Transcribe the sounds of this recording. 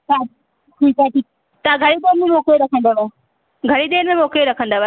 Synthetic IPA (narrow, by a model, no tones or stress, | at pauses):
saː | kuitaʈiːk | t̪aɡʱɐɾid̪eːnmẽmoːkeɾɐkʰə̃nd̪aʋa | ɡʱɐɽid̪eːnmẽmoːkeɾɐkʰə̃nd̪aːʋa